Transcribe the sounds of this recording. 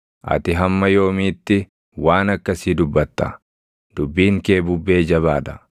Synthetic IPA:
ʔɐ̰t̪ɪɦɐmːɐjo̞ːmiːt̪ːɪ | waːnɐkːɐsiːd̪ʊbːɐt̪ːɐ | d̪̥ʊbːiːŋke̞ːbʊbːe̞ːd͡ʒɐβaːᶑ̪ɐ

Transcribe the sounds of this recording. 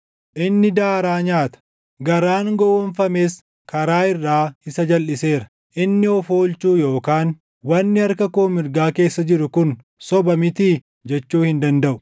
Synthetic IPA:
ʔɪnːɪd̪aːɾaːɲaːt̪ɐ̥ | ɡɐɾaːŋɡɔwɔnfɐmeːs | kɐɾaːɪrːaːhɪsɐd͡ʒɐlːɪse̞ːɾɐ̥ | ʔɪnːɪɔfoːlt͡ʃuːjo̞ːkaːn | wɐnːɪɐɾkɐkoːmɪɾɡaːke̞ːsːɐd͡ʒɪɾʊkʊn | sɔbɐmɪt̪iː | d͡ʒɛt͡ʃːuːhɪnd̪ɐnd̪ɐʔʊ̥

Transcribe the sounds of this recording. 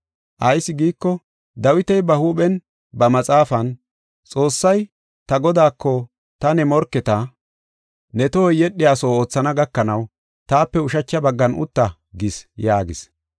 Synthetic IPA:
ʔɐjsːɪɡiːkːɔ | d̪ɐwɪt̪ɛjbɐhuːɓɛn | bɐmɐt͡sʼaːfɐn | t͡sʼo̞ːsːɐj | t̪ɐɡɔd̪aːkʰːɔ | t̪ɐnɛmɔɾkːɛt̪ɐ | nɛt̪ɔhɔjːɛɗːɪjaːso̞ːoːt͡sːɐnɐɡɐkːɐnɐw | t̪aːpːɛʊʃɐt͡ʃːɐbɐɡːɐnʔʊ̰t̪ːɐ | ɡɪsjaːɡɪs

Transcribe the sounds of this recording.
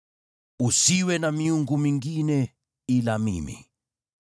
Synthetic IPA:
usiwɛnamiuŋɡumiŋɡinɛ | ilamḭmḭ

